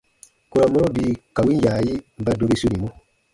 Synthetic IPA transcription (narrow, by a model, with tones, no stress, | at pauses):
ku˦ɾa˨mɔ̃˦ɾo˦biː˨˦ka˨wi˦n˦jaː˨ji˦m̩˨ba˦do˧be˦su˦nĩ˨mũ˦